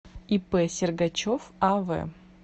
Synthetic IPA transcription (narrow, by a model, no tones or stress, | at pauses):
ipɛsʲɪrɡɐt͡ɕofavɛ̰